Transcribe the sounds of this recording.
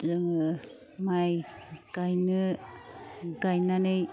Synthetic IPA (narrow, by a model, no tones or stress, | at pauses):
zɯŋɯ | majkajnɯ | ɡajnanɯj